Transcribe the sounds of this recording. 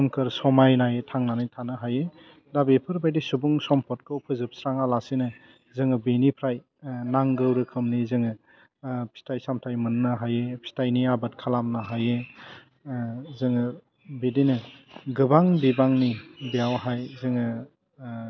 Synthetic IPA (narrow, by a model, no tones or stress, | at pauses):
mkʰɯɾsɔmajnajetʰaŋnanitʰanɯɦaje | dabepʰɯɾbajdisubuŋsɔmpʰɔt̚kʰɯwpʰɯzɯp̚sɾaŋalasenɯ | zɯŋɯbenipʰɾaj | naŋɡɯwɾɯkʰɯmnizɯŋɯ | pʰi̥stʰajsamtʰajmɯnnɯɦajepʰi̥stajniabɯt̚kʰalamnaɦaje | zɯŋɯ | bedinɯɡɯbaŋdibaŋnibijawɦajzɯŋɯ